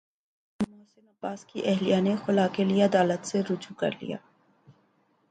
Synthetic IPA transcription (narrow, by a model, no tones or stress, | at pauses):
mʊːsɪnɐbaːskiʔɛɦlijanexʊlaːkelieɐd̪aːlət̪seɾʊd͡ʒukɐ̰ɾlḭja̰ː